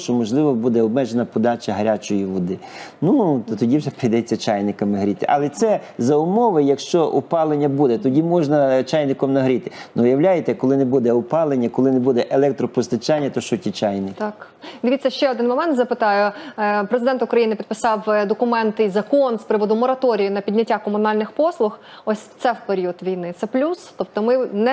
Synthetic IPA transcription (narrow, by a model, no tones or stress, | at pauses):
t͡ʃɔmɔʒlˠɪʋɔbud̪ɛɔb̚mɛʒenɐpɔd̪ɑt͡ʃɐɦɐɾʲat͡ʃɔjiʋɔd̪ɪnut̪ɔt̪ɔdʲiwʒɛpɾijd̪ɛt͡sʲːɐt͡ʃajnɪkɐmɐɦɾʲit̪ɪʔɐlˠɛt̪sɛ | zɐʊmɔʋɪjɐkʃt͡ʃɔʔupɑlˠenʲːɐbud̪ɛt̪ɔdʲimɔʒnɐt͡ʃɑjnɪkɔmnɐɦɾʲit̪ɪ̥nɔʋjɐwlʲajet̪ɛkɔlˠɪnebud̪ɛʊpɑlˠenʲːɐkɔlˠɪnebud̪ɛʔelˠɛk̚t̪ɾɔpɔst̪ɐt͡ʃɑnʲːɐt̪ɔʃɔtʲit͡ʃɑjnɪk | d̪ɪʋʲitt͡sʲːɐʃt͡ʃɛɔd̪ɪnmɔmɛnt̪zɐpɪt̪ɑjʊpɾezɪd̪ɛnt̪ʊkɾɐjinɪpʲid̪pɪsɑwd̪ɔkʊmɛnt̪izɐkɔnspɾɪʋɔd̪ʊmɔɾɐt̪ɔɾʲijʊnɐpʲidʲnʲɐtʲːakɔmʊnɑlʲnɪxpɔslˠʊx | ɔsʲt̪sɛwpeɾʲiɔt̪ʋʲijnɪt̪sɛplʲust̪ɔp̚t̪ɔmɪnɛ